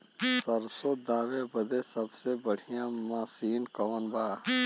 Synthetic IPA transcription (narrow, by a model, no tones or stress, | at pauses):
sɐɾsod̪aːʋebɐd̪esɐbsebəɽ̤ijãmaːsiːnkɔːnbaː